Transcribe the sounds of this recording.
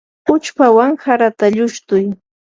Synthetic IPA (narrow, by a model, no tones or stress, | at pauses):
ʊt͡ʃpawaŋxaɾat̪aʎʊʃt̪ʊj